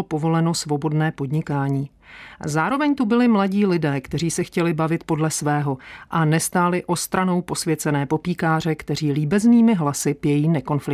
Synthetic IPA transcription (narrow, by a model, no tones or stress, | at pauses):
po̞vo̞lɛno̞svo̞bo̞dnɛːpo̞dɲɪkaːɲiː | zaːɾo̞vɛɲt̪ubɪlɪmlaɟiːlɪdɛːkt̪ɛriːsɛxcɛlɪbavɪt̪po̞dlɛsvɛːɦo̞ʔanɛst̪aːlɪʔo̞st̪ɾano̞wpo̞svjɛt͡sɛnɛːpo̞piːkaːr̝ɛkt̪ɛr̝iːliːbɛzniːmɪɦlasɪpjɛjiːnɛko̞nflɪ